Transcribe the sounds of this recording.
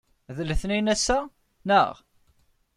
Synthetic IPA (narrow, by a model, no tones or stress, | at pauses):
ðləθninæsːæ | nə̰ʁ